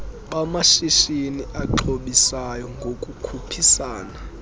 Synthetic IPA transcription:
ɓamaʃiʃiniʔaǃʰoɓisajɔŋɡʱokʼukʰupʰisaːna

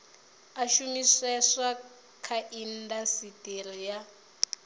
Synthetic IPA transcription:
aʃumisɛʂa | kʰaʔin̩dasitʼirija

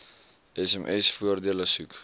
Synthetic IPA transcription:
ɛsɛmʔɛsfuərdiələsuk

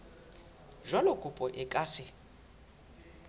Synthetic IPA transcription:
ʒɔlɔkʼupʼɔʔɪkʼaːsɪ

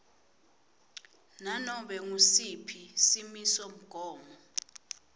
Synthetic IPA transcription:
nanɔɓɛŋusipʰisimisɔm̩ɡ̥ʱɔːmɔ

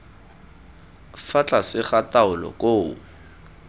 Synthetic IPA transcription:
fat͡ɬʼasɪχataʊlɔ̰kʼoː

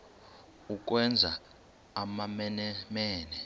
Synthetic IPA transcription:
uk̬wɛnd͡zʱa | amamɛnɛmɛːnɛ

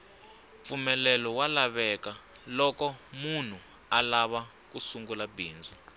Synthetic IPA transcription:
p̪fumɛlɛlɔwalaβɛkalɔkɔmun̤u | alaβa | kusuŋɡulabʱiːnd͡zʱɔ

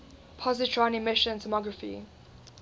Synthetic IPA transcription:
pʰɔzɪtʰɹãnɪmɪʃə̃ntʰɔmɔɡɹəfḭ

